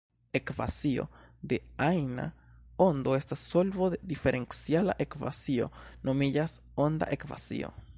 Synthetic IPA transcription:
e̞kva̰sio̞̰d̪e̞ajna̰ | o̞nd̪o̞e̞stasːo̞lbod̪ed̪ife̞ɾʔe̞nt͡siala̰ʔe̞kva̰sio̞̰no̞mid͡ʒaso̞nd̪a̰ʔekva̰sḭo̞̰

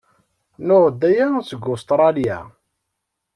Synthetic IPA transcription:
nʊʁd̪ːæjæsəɡʊst̪ɾˤɑljæ̰

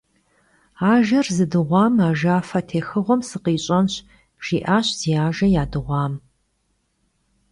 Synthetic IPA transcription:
aːʒɐrzɨdɨʁʷɑːmaːʒaːfɐtʰeːxɨʁʷɔmsɨqiːɕʼɐnɕ | ʒ̥iːʔaːɕz̥iaːʒɐjaːdɨʁʷɑːm

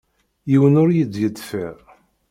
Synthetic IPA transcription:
jiwənʊɾjəd̪jəd̪fæ

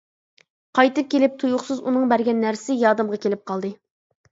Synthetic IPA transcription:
qʰɑjt̪ɨp̚kʲʰelɪp̚t̪ʰujuχsɨzunɨŋbæɾɡʲɛnːæɾsɪjɑːd̪ɨmʁɑkʲʰelɪp̚qʰɑlˠd̪ɨ

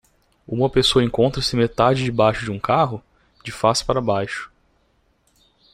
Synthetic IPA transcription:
ũmɐpesoɐẽŋkõnt̪ɾɐsɪmet̪ad͡ʒɪd͡ʒɪbajʃʊd͡ʒɪũkaɦʊ | d͡ʒɪfasɪ̥paɾɐbajʃʊ̥

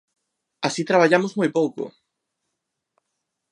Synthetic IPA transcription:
asit̪ɾaβ̞aʎamozmojpowkʊ̰

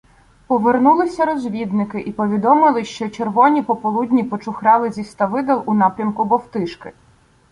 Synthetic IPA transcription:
pɔʋernulˠɪsʲɐɾɔzʲʋʲid̪nɪkɪʔipɔʋʲid̪ɔmɪlˠɪʃt͡ʃɔt͡ʃerʋɔnʲipɔpɔlˠudʲnʲipɔt͡ʃʊxɾɑlˠɪzʲist̪ɐʋɪd̪ɐlˠʔunɑpɾʲɐmkʊbɔwt̪ɪʃkɪ

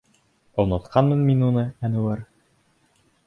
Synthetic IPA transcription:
ŏlˠnɑ̆t̪qʰɑnmɤnminunɤænŭwɘɾ

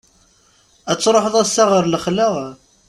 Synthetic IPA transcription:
æt͡sːɾˤoħəðˤæsːaʁəɾləχləʁ

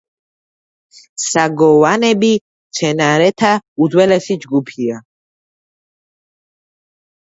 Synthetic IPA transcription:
saɡɔwanɛbi | mt̪sʰɛnaɾɛt̪ʰaud̪wɛlɛsid͡ʒɡupʰia

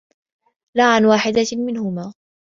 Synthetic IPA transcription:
laːʕanwaːħɪd̪amɪnhʊmaː

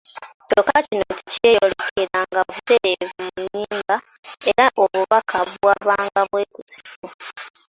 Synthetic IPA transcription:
tokacino̞̰cice̞ːolekeɾaŋɡaoβute̞ɾeviɲɲːiːmba | e̞ɾaʔoβuβakʰaβwaβaːŋɡaβwe̞ːkusi̥fu

